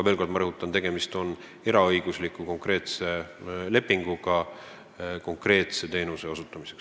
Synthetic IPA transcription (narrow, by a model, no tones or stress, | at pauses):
ɑve̞ːlko̞rd̪̥mɑɾɤɦut̪ːˑɑnt̪e̞ɡ̥e̞mist̪o̞n | e̞ɾɑɤjɡ̥uslikːˑuko̞ŋkre̞ːt̪se̞le̞pːˑiŋɡ̥uɡɑ | ko̞ŋkre̞ːt̪se̞t̪e̞ːnuse̞osut̪ːˑɑmise̞̥ks